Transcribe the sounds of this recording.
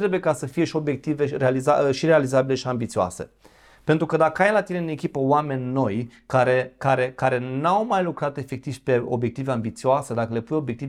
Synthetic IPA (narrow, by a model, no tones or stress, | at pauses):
ɾe̞bujekasəfije̞ʃio̞bjek̚t̪ive̞ɾealizaʃiɾealizabile̞ʃiambit̪sioa̰se̞̰ | pent̪ɾukəd̪akəajlat̪ine̞ɨne̞kʲipəwame̞nʲno̞jkaɾekaɾe̞kaɾe̞nawmajlukɾat̪e̞fe̞k̚t̪iv̥pe̞o̞̰bje̞k̚t̪iveambit̪sioase̞d̪akəle̞pujo̞bje̞k̚t̪ie